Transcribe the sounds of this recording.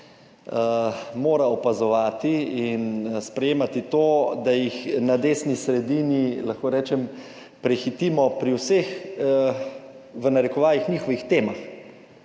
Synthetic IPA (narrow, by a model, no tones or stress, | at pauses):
moːɾaɔpazɔʋaːt̪iinspɾɛjeːmat̪it̪oːd̪ajixnad̪eːsnisɾɛd̪iːnilaxkoːɾɛːt͡ʃɛm | pɾɛxit̪iːmɔpɾiwsex | ʋənaɾɛkɔʋaːlixɲiːxɔʋixt̪eːmax